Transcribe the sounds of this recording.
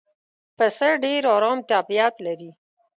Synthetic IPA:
pəsəɖeɾoɾɑːmt̪ɑːpijɑːt̪laɾi

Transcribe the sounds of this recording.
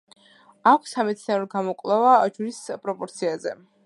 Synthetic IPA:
akʷʰsːamɛt̪sʰniaɾɔɡamɔkʼlˠɛvad͡ʒuɾispʼɾɔpʼɔɾt̪sʰiazɛ̰

